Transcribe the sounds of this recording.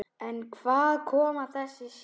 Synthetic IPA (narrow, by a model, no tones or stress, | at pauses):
ɛnkʰvaːðkʰɔːmaθɛsːɪs